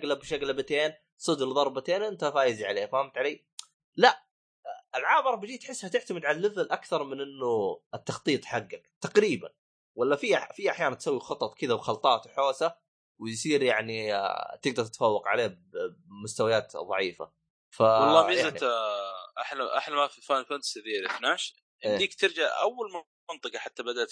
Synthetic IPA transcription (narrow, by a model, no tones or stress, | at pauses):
ɡlabʃaɡlabat̪eːn | sˤɨd̪lðˤɑɾˤbat̪eːnʔɪnt̪afaːjziʕaleːhafaːhamt̪ʕaleː | laʔ | ɪlʕaːmɨɾˤɑbɪd͡ʒiːt̪ħɪsːhat̪ɪʕt̪amɪd̪ʕalalːɪðɪlʔakθɑɾˤmɪnʔɪnːʊɪt̪ːɑxt̪ˤiːt̪ˤħaɡːakt̪ɑqɾiːba̰n | walːafiːafiːʔaħjaːnant̪sawːixɑt̪ˤɑt̪ˤkɪd̪abxɑlt̪ˤɑːt̪wħoːsa | wɪjsˤiːɾjaʕnit̪ɪɡ̚d̪ɑɾˤt̪ɪt̪afawːɑqʕa̰leːhbmʊst̪awajaːt̪ðˤɑʕiːfa̰ | fawɑɑlˤːɑːiːjaza | ʔaħlaʔa̰ħlamafifaːnfansɪðiːɾɪfnaːʃ | ʔɪʔeːd̪iːkt̪ɪɾd͡ʒaʕʔa̰wːalm | ɑnt̪ˤɨqɑħat̪ːabad̪alt̪